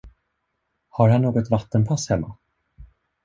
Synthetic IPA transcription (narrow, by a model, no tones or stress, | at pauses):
haɾhanːoːɡɔt̪vat̪ːənpʰashɛmːa̰